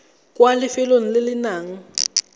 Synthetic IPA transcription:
kʼwalɪfɪloŋ̩lɪlɪnaːŋ̩

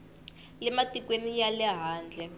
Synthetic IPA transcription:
lɛmatʼikʼwenijalɛɦaːnd͡ɮʱɛ

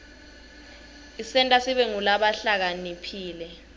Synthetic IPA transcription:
isɛntʼasiɓɛŋulaɓaɬak̬anipʰiːlɛ

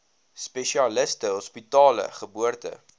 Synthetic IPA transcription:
spɛʃiɐləstəɦɔspitɑːlə̰χəbuərtə̰

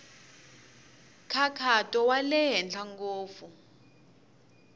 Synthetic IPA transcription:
kʰakʰatʼɔwalɛɦɛnd͡ɮʰaŋɡoːfu

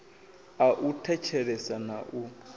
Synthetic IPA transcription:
aʔutʰɛt͡ʃʰɛɺɛsanaʔu

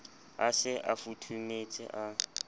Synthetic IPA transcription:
asɪʔafutʰumet͡sʼɪ̰ʔa

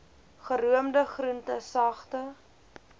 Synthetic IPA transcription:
χəɾuəmdəχruntəsɐχtə

